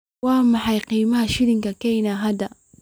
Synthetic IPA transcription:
waːmɑħɑjqiːmɐhɐʃɪɾɪŋkɐkɛjnaɦɐd̪ɐ

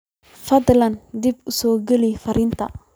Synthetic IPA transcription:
fɐd̪lɐnd̪ɪbʊsɔːɡɛlɛjfɐɾɪnt̪ʰɐ̰

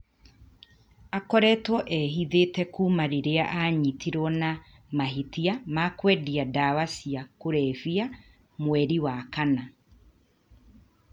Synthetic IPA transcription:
akɔɾɛtwɔʔɛɦiðetɛkuːmaɾeɾeaʔaɲitʰiɾɔna | maɦitiamakwɛdiadaːwasiakoɾɛvia | mwɛɾiwakana

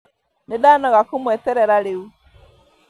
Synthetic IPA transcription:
nedanɔɣakumwɛtɛɾɛɾaɾeu

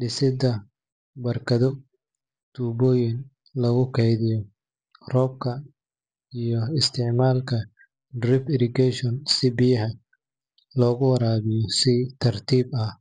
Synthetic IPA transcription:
ɖɪsɪd̪ɐ | bɐrkʰɐðɔ | d̪̥uːbɔːjɪn | lɐɣʊkʰɛjðɪjɔ | rɔːb̚kʰɐ | ijɔɪst̪ʰɪʕmaːlkʰɐ | drɪpɪɾɪɡɛʃɔnsɪbɪjɐɦɐ | lɔːɣʊwɐɾaːβɪjɔsɪt̪ʰɐrt̪ʰiːbɐ

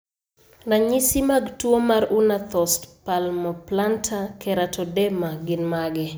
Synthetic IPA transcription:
naɲisimaɡtwomaɾunat̪ɔstpalmɔplantʰakʰɛɾatʰɔdɛmaɡɪnmaɡɛ

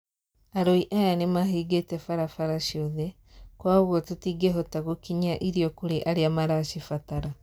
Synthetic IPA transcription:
aɾoiʔajanemaɦiɡetefaɾafaɾaʃioðe | kwaːoɣotetiɡeɦotaɣokiɲaʔiɾijokuɾeʔaɾiamaɾaʃifataɾa

